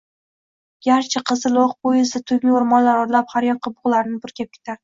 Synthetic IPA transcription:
ɡ̥ʲaɾt͡ʃʰaqʰɨzɪlˠoqbʊjɪsɪt̪ʰʊkʲmɪʊɾmɒnlaɾɒɾlaphaɾjɒqʰːɑbʊʁlˠaɾnɪbʊɾkʲap̚kʲʰe̥t̪ʰaɾ

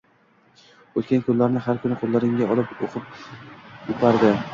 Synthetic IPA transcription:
ɵt̪kʲʰankʰɵnllaɾnɪɦaɾkʰʊnɪqʰolˠːaɾɪŋʲaɒlˠɪpoqʰɨp̚ | ʊpʰaɾd̪ɪ

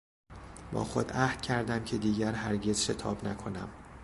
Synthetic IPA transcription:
bɒ̰ːxo̞d̪æhd̪̥̚cʰæɾd̪æmcʰe̞d̪iːɟæɾɦæɾɟe̞z̥ʃe̞t̪ʰɒːbnækʰo̞næ̰m

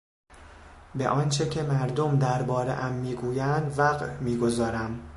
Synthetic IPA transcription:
be̞̰ʔɒːnt͡ʃʰecʰe̞mæɾd̪omd̪æɾbɒːɾḛʔæmːiːɡuːjænd̪væɣmiːɡo̞zɒːɾæm

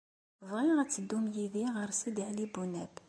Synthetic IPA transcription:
vʁiʁæt͡sːəd̪ːumjiðiʁəɾˤsid̪iʕlibunæb

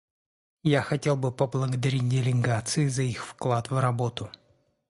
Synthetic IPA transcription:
jaxɐtʲe̞lˠbɨpəblˠəɡəd̪ɐɾʲit̚ʲdʲɪlʲɪɡat̪sɨɪzɐixfklˠat̪vrɐbo̞t̪ʊ

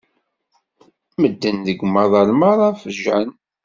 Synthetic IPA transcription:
məd̪ːənðəɡʷmɑðˤɑlmɑðˤæfəʒæn

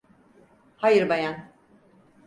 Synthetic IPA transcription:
hajɯɾbajan

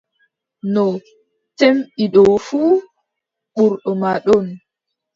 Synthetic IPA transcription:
nɔ | temɓiɗɔfuː | ɓuɾɗɔmaɗɔn

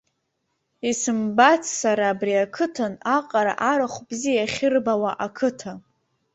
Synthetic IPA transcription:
isɨmbat͡sʰsaɾaːbriakʰɨtʰanaqʼaɾa̰ʔaɾaχʷbzijaχʲɪrbawaʔakʰɨtʰa

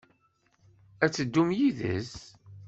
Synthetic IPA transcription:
æt͡sːəd̪ːumjiðə̰z

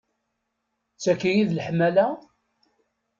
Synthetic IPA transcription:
t͡sːækːijiðləħmːælæ

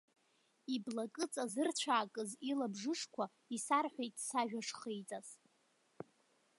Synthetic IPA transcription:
iblakʼɨt͡sʼazɨrt͡ɕʷʰaːkʼɨzilabʐɨʂkʷʰa | isarħʷᶣejtʼsaʒᶣaʂχejt͡sʼaz

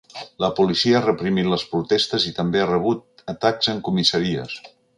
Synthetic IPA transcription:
ləpulisiəarəpɾimit̪ləspɾut̪ɛst̪əzit̪əmbearəβ̞ut̪̚ət̪akzəŋkumisəɾiə̰s

